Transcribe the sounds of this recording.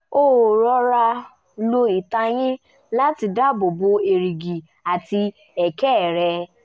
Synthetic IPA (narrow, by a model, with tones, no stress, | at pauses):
o˦˨ɾɔ˧˦ɾa˧ | lo˧i˨ta˧j̃ĩ˦ | la˦ti˧da˦bo˨bo˧e˨ɾi˨ɡi˨ | a˨ti˧ | ɛ˨kɛ˦˨ɾɛ˧